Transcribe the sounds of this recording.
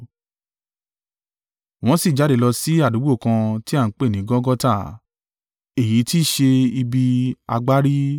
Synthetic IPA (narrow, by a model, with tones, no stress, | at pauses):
w̃ɔ̃˦si˦˨d͡ʒa˨˦de˨lɔ˧si˦a˦˨du˨˦ɡ͡bo˦˨kã˧ti˦a˦˨˦k͡pe˦˨nĩ˨˦ɡɔ̃˦ɡɔ˦ta˦˨ | e˨ji˨˦ti˦˨ʃe˧i˧bi˧a̰˧ɡ͡ba˦ɾi˦